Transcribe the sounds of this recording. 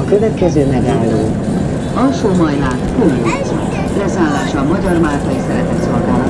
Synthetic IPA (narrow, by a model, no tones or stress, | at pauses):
ɒkø̞vɛt̪kɛzøːmɛɡaːlːoː | ɒlʃoːmɒjlaːt̪kulmaso | lɛzaːlːaːʃɒːmɒɟɒrmaːlt̪ɒjisɛɾɛt̪ɛt̪solɡaːlɒ